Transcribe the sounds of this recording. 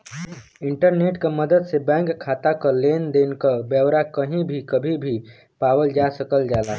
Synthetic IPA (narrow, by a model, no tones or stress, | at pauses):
iɳʈəɾneʈkeməd̪əd̪sebɛ̃ŋkkʰːat̪akəlend̪enkəbjəbɾakəɦĩbʱikəbʱibʱi | pawəld͡ʒasəkəld͡ʒala